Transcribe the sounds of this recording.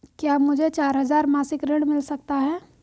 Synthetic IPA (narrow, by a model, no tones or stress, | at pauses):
kjaːmʊd͡ʒʱet͡ʃaːɾɦɐzaːɾmaːsɪkɾɪ̃ɳɖmɪlsɐk̚t̪aɦɛː